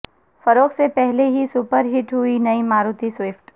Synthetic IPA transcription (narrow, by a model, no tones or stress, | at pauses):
fɐɾoːksepɛɦleɦisupəɾɦɪʈɦʊinɐimaːɾuːt̪iswɪfʈ